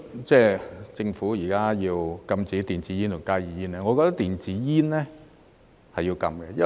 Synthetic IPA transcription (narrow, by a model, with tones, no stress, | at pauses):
t͡sɛː˥˩t͡sɪ˧ŋfuː˨˥jiː˨˩kaː˥jiː˧wkɐ˧mt͡siː˨˥t̪iː˨nt͡siː˨˥jiː˥nt̪ʊ˨˩ŋkaː˥jiː˨jiː˥nɛː˥ŋɔ˨˧kɔː˧t̪ɐ˥k̚t̪iː˨nt͡siː˨˥jiː˥nlɛː˥ | hɐ˨jiː˧wkɐ˧mkɛ˧jɐ˥